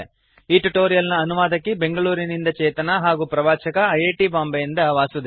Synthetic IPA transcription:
iːʈuʈoːɾijɐlnɐːnuʋaːd̪ɐkːebe̞ŋɡɐɭuːɾinind̪ɐt͡ʃɛːt̪ɐnɐɦaːɡuːpɾɐʋaːt͡ʃɐkɐɐjeːʈibaːmbɐjind̪ɐʋaːsud̪

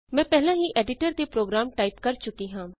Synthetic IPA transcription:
mɛ̃ːpɛːlãːɦiːʔɛːɖɪʈəɾd̪eːpɾoːɡɾaːmʈaːiːpkəɾt͡ʃʊkiːɦãː

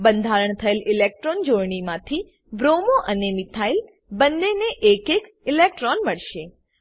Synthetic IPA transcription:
bə̃nd̪ʱaɾəɳt̪ʰəelɪlek̚ʈɾond͡ʒoɾɳimãt̪ʰi | ʋɾomoʔənemɪt̪ʰail | bənd̪eneʔekek | ɪlek̚ʈɾonməɭʃe

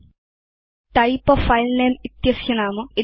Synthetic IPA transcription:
ʈ̪ɐjpɐfɐjlneːmit̪jɐsjɐnaːmɨi

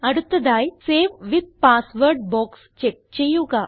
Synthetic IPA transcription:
ɐɽut̪ːɐd̪aːjseːʋʋid̪̚paːsʋəɾɖ̚bɔːkst͡ʃek̚t͡ʃejuːka

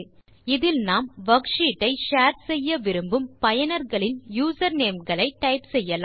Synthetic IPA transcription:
ɪðɪlnaːmʋɐkʂiːʈːɐɪʃaːɾsɛjːɐʋɪɾɯmbɯmpɐjɐnɐɾɣɐɭɪnjuːsɐɾneːmɡɐɭɐɪʈːɐɪpsɛjːɐla

